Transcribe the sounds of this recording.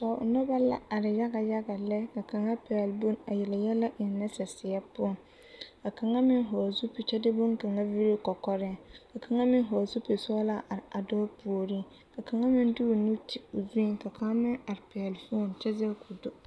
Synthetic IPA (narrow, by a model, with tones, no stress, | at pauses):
sa˨nɔ˦ba˦la̰˦a˨ɾɪ˨ja˦ɡa˨ja˦ɡa˨lɛ˦ka˨ka˨ŋa˦pɛ˨lbʊ˦na˨jɛ˨lɪ˨jɛ˦la˦ʔɪ˨n˦nːa˦sɛ˨sɪ˨ja˦pʊ˦˨n | ka˨ka˨ŋa˦mɪ˦nɦɔ˨zu˦pi˨t͡ʃɛ˦dɪ˦bʊ˦nka˨ŋa˦vi˦ɾi˦kɔ˨kɔ˦ɾɪ˦˨ka˨ka˨ŋa˦mɪ˦nɦɔ˨zu˦pe˨sɔ˦la˦ʔa˨ɾɪ˨a˨dɔː˦pu˨o˨ɾi˦ | ka˨ka˨ŋa˦mɪ˦n˦dɪ˦o˨nu˦ti˨o˨zu˦i˨ka˨ka˦mɪ˦na˨ɾɪ˨pɛ˨a˨lfu˦o˦˨nt͡ʃɛ˦zɛ˦ku˨dʊ˦